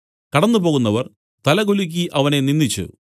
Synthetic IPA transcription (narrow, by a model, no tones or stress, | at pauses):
kɐɽɐnːupo̞ːɣunːɐʋɐr | t̪ɐlɐɣuluk̬ʲːiʔɐʋɐne̞ninːit͡ɕːṵ